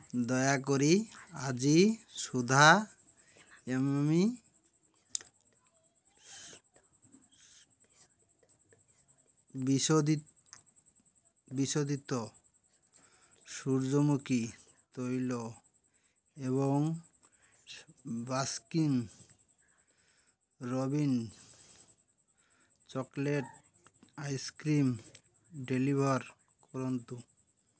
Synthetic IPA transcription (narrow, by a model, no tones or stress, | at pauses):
d̪ɔeakoɾiad͡ʑiʃud̪ʱa | emmi | bisod̪i | biʃod̪ʱit̪ːo | ʃuɾd͡ʑomuki | t̪ojlo | eβoŋ | baskiŋ | ɾobin | t͡ɕɔkleʈ̚ | ajskɾim | ɖelibʱaɾ | kɔɾont̪u